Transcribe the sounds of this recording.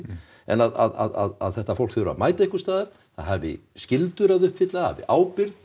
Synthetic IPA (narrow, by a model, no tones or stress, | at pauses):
ɛ̰naða̰ða̰ða̰ðaðθɛht̪afowl̥kθʏɾa̰ðmaːjt̪aɪhkʏ̥ɾst̪aːðaɾ̥ | θaðɦavɪ̰scɪlt̪ʏɾaðʏhpfɪt̪laha̰vɪ̰ʔaːwpɪɾt̪